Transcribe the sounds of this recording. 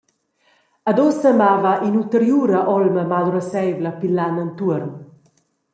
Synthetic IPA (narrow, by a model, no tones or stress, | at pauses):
ad̪ɔsəmavaʔinult̪əɾjuɾaʔɔlməmad̪uɾəsɛjvlapilːanant̪uəɾn